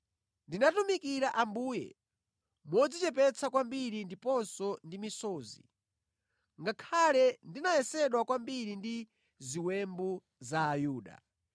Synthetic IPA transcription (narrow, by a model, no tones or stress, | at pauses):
ndinatumikiɾaʔambuːjɛ̰ | mɔd͡zit͡ʃɛpɛt͡sʰakwambiɾindipɔnsɔndimisɔːzḭ | ŋɡakʰalɛndinajɛsɛɗwakwambiɾindi | ziwɛmbu | zaːjuːɗa̰